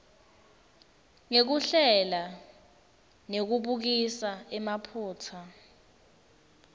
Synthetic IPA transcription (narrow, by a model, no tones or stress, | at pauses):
ŋek̬uɬɛla | nek̬uɓuk̬isaɛmapʰuːtʰa